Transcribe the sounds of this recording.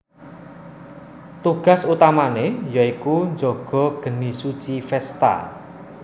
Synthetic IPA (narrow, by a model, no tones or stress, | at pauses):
t̪uɡ̥a̤sut̪amanejaikund͡ʒɔɡ̥ɔ̤ɡ̥ənisut͡ʃifɛst̪a̰